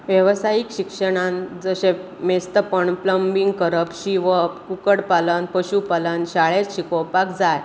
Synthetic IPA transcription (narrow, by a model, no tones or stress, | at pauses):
ʋjəʋsajikɕikʂəɽ̃ãnd͡zəɕe | mest̪əpəɳpləmbiŋɡkəɾəpɕiʋəkukəɽpalənpəɕupalənɕaɭet͡sɕikopakd͡zaj